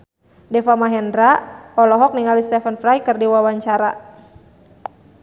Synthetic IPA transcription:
dɛfamaɦɛndɾaɔlɔɦɔk̚niŋalist̪ɛfənfɾajkərdiwawaɲt͡ʃaɾa̰

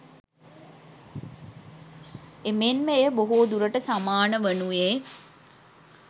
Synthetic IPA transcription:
emenməejəboɦoːd̪uɾəʈəsamaːnəʋənueː

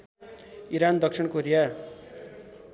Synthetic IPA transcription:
iɾand̪ʌksʰiɳkoɾija

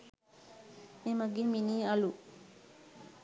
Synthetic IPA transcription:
emaɡiminiːalu

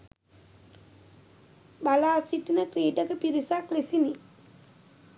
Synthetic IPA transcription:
balaːsiʈnəkɾiːɖəkəpiɾisaklesini

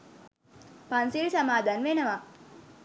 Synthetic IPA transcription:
pɐnsilsamaːd̪anʋenəʋa

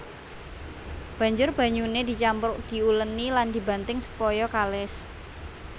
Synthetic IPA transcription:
b̥a̤ɲd͡ʒʊrb̥ä̤ɲuned̪i̤t͡ʃampʊk̚d̪̥i̤ulənːiland̪̥i̤ba̤nt̪ɪŋsu̥pɔjɔkalɪs

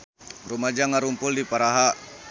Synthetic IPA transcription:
rumad͡ʒaŋaɾumpʊldipaɾaɦa

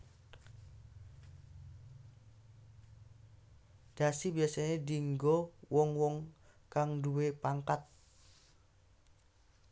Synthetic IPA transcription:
d̥asibiasaɲediŋɡɔwɔŋwɔŋkaŋduwepaŋkat̪̚

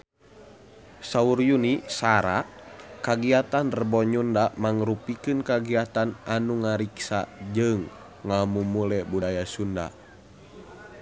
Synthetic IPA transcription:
saurjunisaɾakaɡiat̪anrəbɔɲundamaŋɾupikɨnkaɡiat̪anʔanuŋaɾiksa̰d͡ʒɨŋː | amumulɛbudajasunda̰

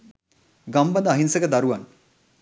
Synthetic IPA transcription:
ɡambad̪əːɦinsəkəd̪aɾuʋan

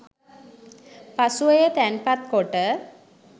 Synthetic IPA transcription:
pasuəjət̪ænpat̪̚koʈə

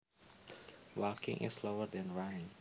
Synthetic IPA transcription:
wɜkɪ̰̃ŋʔɪ̰sloəd̪ɛ̃nɹanɪ̃ŋ

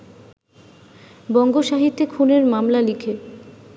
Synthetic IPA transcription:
bɔŋɡoʃaɦit̪ːekʰuneɾmamlalikʰe

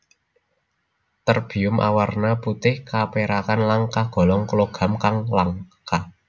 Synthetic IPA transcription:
t̪ərb̥i̤ʊmʔa̰warnaput̪ɪhkapeɾakanlaŋkahɡ̥ɔ̤lɔŋkloɡ̥a̤mkaŋlaŋka

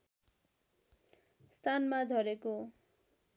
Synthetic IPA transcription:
st̪ʰanmad͡zʱʌɾeko

